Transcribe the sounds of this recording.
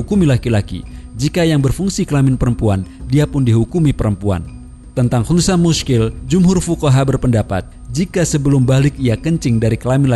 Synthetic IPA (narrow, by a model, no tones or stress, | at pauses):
ukumilakilakḭd͡ʒikajaŋbərfuŋsikəlamɪnpəɾəmpuandiapʊndiɦukumipəɾəmpua̰n | t̪ənt̪aŋhut̪usanmuskɪld͡ʒumɦʊrfukaɦabərpəndapa̰t̪̚ | d͡ʒikasəbəlʊmbalɪk̚iakəɲt͡ʃɪŋdaɾikəlamɪnla